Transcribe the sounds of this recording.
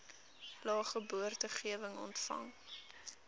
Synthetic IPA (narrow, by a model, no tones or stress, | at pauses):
lɑːχəbuərtəχiəvəŋɔ̰ntfɐ̰ŋ